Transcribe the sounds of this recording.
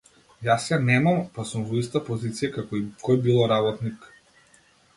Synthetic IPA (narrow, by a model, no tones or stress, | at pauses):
jasjanɛmampasumvɔist̪apɔzit̪sijakakɔikɔjbilˠɔɾabɔt̪nik